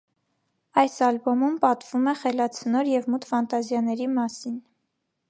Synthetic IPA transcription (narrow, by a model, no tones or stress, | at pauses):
ɑjsɑlbɔmumpɑt̪vumɛχɛlɑt͡sʰənɔɾjɛvmut̪fɑnt̪ɑzjɑnɛɾimɑsin